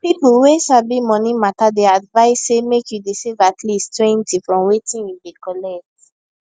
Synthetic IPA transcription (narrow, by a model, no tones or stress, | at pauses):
pipwesabimɔ̃nimatadɛadvaɪsːemekjudisivatʰlistwɛ̃ntifɹɔ̃mwetĩnjubikɔlɛk̚t